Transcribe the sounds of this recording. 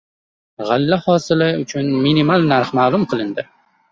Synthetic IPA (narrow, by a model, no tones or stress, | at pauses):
ʁalːahɒsɪlɪʊt͡ʃʰʊnminimalnaɾχmaːlˠʊmqʰɨlˠɪnd̪ɪ